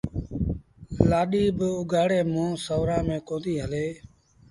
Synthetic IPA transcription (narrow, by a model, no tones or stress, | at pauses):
laːɗiːbʊɡaːɽeːmõːsəːɾãːmẽːkõːnd̪iːɦəleː